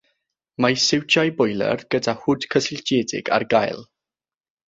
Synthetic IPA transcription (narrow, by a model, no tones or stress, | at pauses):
majsɪwt͡ʃajbɔjlˠɛ̰rɡ̥ədahʊd̥kʰəsɪld͡ʒɛdɪ̰ɡa̰rɡajlˠ